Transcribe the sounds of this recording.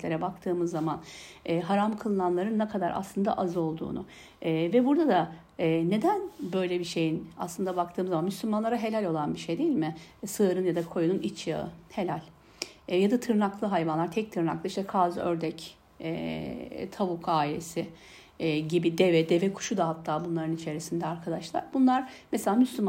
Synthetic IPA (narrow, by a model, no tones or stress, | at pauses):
lʲeɾɛbak̚t̪ʰɯːmɯzːamanɛɦaɾamkʰɯlˠɯnanlˠaɾɯnːɛkʰad̪aɾʔa̰slˠɯnd̪a̰ʔazɯo̞lˠd̪ṵːnʊ̰ | vɛbuɾd̪ad̪aː | ne̞d̪ænbø̞jlʲɛbiʃe̞jina̰slˠɯnd̪abakt̪ʰɯːmɯzːamanmyslʲymanlˠaɾaɦe̞lʲælʲo̞lˠanbiʃejd̪ejilʲmɪsɯːɾɯnjad̪akʰo̞jununit͡ʃja̰ɯ̰he̞lʲælʲ | jad̪at̪ʰɯɾnaklˠɯɦajvanlˠaɾt̪ʰɛc̚t̪ʰɯɾna̰klˠɯiʃt̪ɛkʰazøɾd̪ɛc | ɛ | t̪ʰavukʰaːjḛsɪ | ɟibid̪evɛd̪evɛkʰu̥ʃud̪aɦat̪ʰːaːbunlˠaɾɯnit͡ʃʰe̞ɾisind̪ɛaɾkʰad̪aʃlˠa̰ɾbunlˠaɾ̥mɛselʲaːmyslʲym